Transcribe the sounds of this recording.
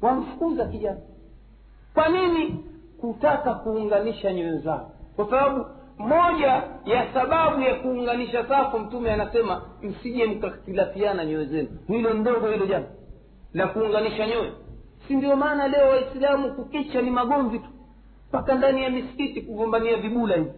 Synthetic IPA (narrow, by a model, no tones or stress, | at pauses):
wam̩fu̥kuzakiʄana | kwanini | kutakakuːŋɡaniʃaɲɔɛzaɔkwasaɓaɓu | mɔʄajasaɓaɓujakuːŋɡaniʃasafum̩tumɛanasɛmam̩siʄɛm̩katilafianaɲɔɛzɛnuhilɔndɔɡɔhilɔʄana | lakuːŋɡaniʃaɲɔwɛ | sindiɔmaːnalɛɔwaislamukukit͡ʃanimaɠɔɱvitu̥ | mpakandanijamisi̥kitikuɡɔmbaniaviɓulahivi